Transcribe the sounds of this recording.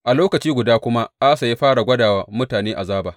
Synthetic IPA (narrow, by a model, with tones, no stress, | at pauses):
ʔa˨loː˦kɐ˨t͡ʃiː˦ɡʷʊ˨daː˦kʷʊ˦ma˦ʔaː˦sa˨ja˦ɸaː˦ɽa˨ɡʷɐ˦daː˨wa˦mʊ˦taː˨neː˦ʔa˨zaː˦baː˨